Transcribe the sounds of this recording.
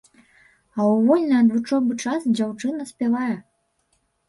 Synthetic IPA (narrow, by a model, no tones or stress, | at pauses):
awvɔlʲnɐad̪vɨt͡ʂɔbɨt͡ʂasd͡ʑawt͡ʂɨnɐsʲpʲɛvajɛ